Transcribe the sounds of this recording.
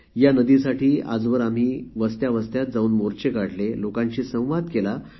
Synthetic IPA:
janəd̪isaʈiːa̰d͡zʋəɾam̤iːʋəst̪jaʋəst̪jat̪̚d͡zauːnmoɾt͡ɕekaɽlelokãɲt͡ɕiːsə̃w̃ʋat̪kela

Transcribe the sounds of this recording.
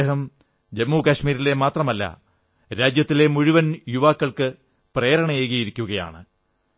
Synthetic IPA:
ɦɐm | d͡ʑemːuːkɐɕmiːɾile̞maːt̪rɐmɐlːɐ̰ | ɾaːd͡ʑjɐt̪ːile̞muɻiʋɐnjuʋaːkːɐɭkɨ | preːɾɐɳɐjeːɣijiɾikʲːuɣɐja̰ːɳɨ

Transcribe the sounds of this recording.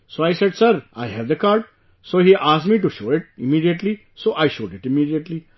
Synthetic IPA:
soːajsɛɖsəɾajɦɛʋd̪əkaːɾɖ̚ | soːhiʔaːsʈmiːʈuʃoːɪʈ̚ɪmiːɖiəʈli | soːʔajʃoːɖɪʈɪmiːɖiəʈli

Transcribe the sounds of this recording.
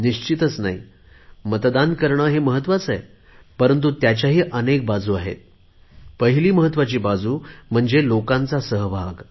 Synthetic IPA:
niɕt͡ɕit̪ət͡snaɦḭ | mət̪d̪ankəɾɳəːɦeməɦət̪ʋat͡sae | pəɾənt̪̬ut̪jat͡ɕjaɦiːʔənek̚bad͡zuːaɦḛt̪̚ | pəɦiliːməɦət̪ːʋat͡ɕiːbad͡zuːm̤əɳd͡zelokãnt͡sasəɦbʱaɡ

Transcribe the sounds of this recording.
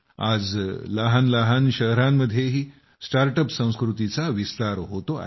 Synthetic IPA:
ad͡zləɦanləɦanɕəɦɾamːəd̪ʱjeɦiː | sʈaɾʈəpsə̃w̃skɾut̪it͡saʋist̪aɾɦot̪oa̰

